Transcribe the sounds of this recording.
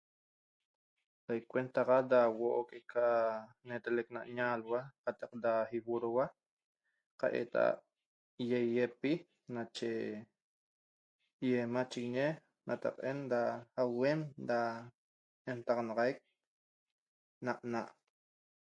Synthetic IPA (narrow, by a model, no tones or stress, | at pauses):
sajkʷwent̪aʁad̪awoʔokʼekʰa | net̪elek̚na̰ʔɲalwaqat̪ɑq̚d̪ahiwuɾowa | qa̰ʔḛt̪a̰a̰ʔ | jejepi | nat͡ʃe | jemat͡ʃiɣiɲe | nat̪a̰qʼend̪aawemd̪a | ent̪aʁɑnɑʁajk̚ | naʔnaʔ